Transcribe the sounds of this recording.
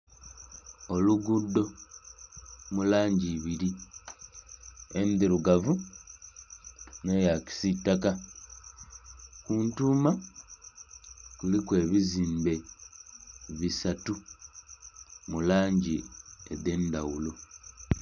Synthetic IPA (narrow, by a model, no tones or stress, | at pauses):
o̞luɡudːo̞ | mulaːɲɟiβiɾi | end̪iɾuɡavu | ne̞jaci̥sitːaka | kuːntuːma | kulikwe̞ːβiziːmbe̞ | βisatu | mulaːɲɟiḛðe̞ndawulo̞